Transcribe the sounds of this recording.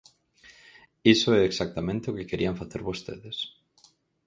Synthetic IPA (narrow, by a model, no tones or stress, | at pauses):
isoɛeksak̚t̪amẽnt̪eʊkɪkeɾiaɱfaθeɾβost̪ḛðes